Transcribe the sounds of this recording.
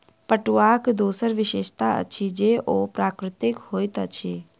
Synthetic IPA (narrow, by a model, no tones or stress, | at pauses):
pəʈuakd̪oːsəɾʋɪʃeːʃt̪aə̰t͡ʃʰid͡ʒeʔopɾaːkɾɪt̪ɪkhoːjt̪ət͡ʃʰe